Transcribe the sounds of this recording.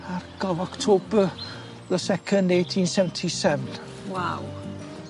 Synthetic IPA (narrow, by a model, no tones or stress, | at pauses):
aɾɡɔvɔktʰoːbə | ðəsɛkʰə̃ndejtʰĩnsɛvəntʰisɛvən | waw